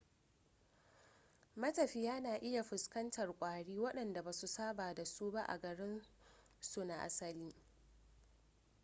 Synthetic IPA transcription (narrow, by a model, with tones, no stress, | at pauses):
mɐ˦tɐ˨ɸiː˦jaː˦naː˨ʔɪ˦ja˨ɸʊ˨skɐ˦ntʰɐ˨rkʷʼaː˨ɽiː˦wɐ˦ɗɐ˨nda˨baː˨su˨saː˦baː˨da˨suː˦ba˦ʔa̰˨ɡɐ˨ɽɪ˦n | su˦na˨ʔa̰˦sɐ˨liː˦